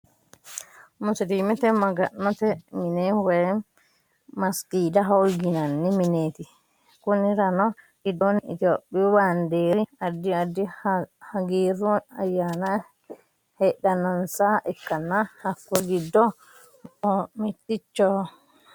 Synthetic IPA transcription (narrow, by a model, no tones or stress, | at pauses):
musiɾimɛt̪ɛmaɡanːat̪ɛminɛwɛ | maskiːdaɦawɡinanːimineːt̪i | kuniɾanɔ | ɗidɔnid͡ʒoɓːiwandeɾiadːiadihaɡiɾɔajana | hɛɗanansaʔɛkːanːahakːɔɡidːɔ | ɔmitːit͡ʃːɔ